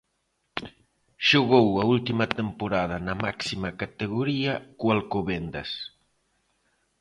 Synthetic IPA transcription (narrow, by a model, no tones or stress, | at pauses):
ʃoɣowɐult̪imɐt̪empoɾað̞ɐnɐmaksimɐkat̪eɣoɾiɐkwalkoβend̪ɐ̰s